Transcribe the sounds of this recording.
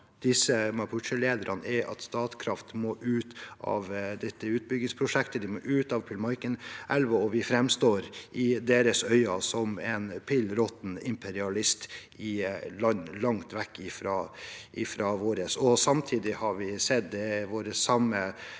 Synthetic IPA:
d̪̥ɪsəmɑpʰʊʂəleːd̪əɾʔɑnɛʔɑ̰t̪st̪ɑːt̪kʰɾɑft̪moːʔʉːt̪ʔɑ̰ʋd̪ɛt̪ːəʉːt̪̚bʏɡɪŋspʰɾʊʂɛkt̪əd̪ɪmoːʔʉːt̪ɑʋpʰɪlmɑɾkənɛlʋɔɔʋɪfɾɛmst̪oːɾʔɪd̪eːɾəsœʏɑsɔmɛnpʰɪlɾɔt̪n̩ɪmpʰɛɾɪɑlɪst̪ | ɪlɑnlɑŋt̪ʋɛkːɪfɾɑːʔɪfɾɑːʋoːɾəsɔsɑmt̪ʰiːd̪ɪhɑɾʋɪsɛt̪̚d̪ɛʋoːɾəsɑmːə

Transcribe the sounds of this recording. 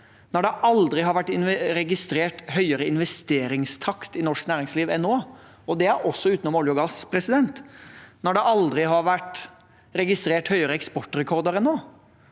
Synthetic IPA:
nɔɖɛʔɑld̪ɾɪɦɑɾʋæʈːɪnɛɾɛɡɪst̪ɾeːʈhœʏəɾəɪnʋɛst̪eːɾɪŋst̪ʰɑkt̪ɪnɔʂknæːɾɪŋsliːʋɛnːoː | ɔd̪ɛæɾɔsːɔʉːt̪nɔmɔljʊɡɑspʰɾɛsɪd̪ɛnt̪nɔɖɛʔɑld̪ɾɪɦɑɾʋæʈ | ɾɛɡɪst̪ɾeːʈhœʏəɾəɛkspɔʈːɾɛkʰɔɾd̪əɾɛnːoː

